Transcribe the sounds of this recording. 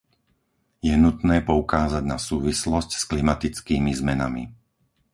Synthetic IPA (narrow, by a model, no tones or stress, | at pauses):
jɛnut̪nɛːpɔukaːzaɟnasuːʋislɔscsklimat̪it͡skiːmizmɛna̰mḭ